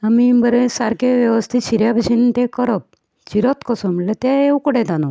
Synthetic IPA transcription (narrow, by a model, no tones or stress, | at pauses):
amibəɾẽsaɾkeʋjəʋəst̪ʰitɕiɾjabʱəd͡ʑint̪ekəɾɔp̚ | t͡ɕiɾɔt̪kɔsɔmilet̪jaewkɔɽẽt̪anɔ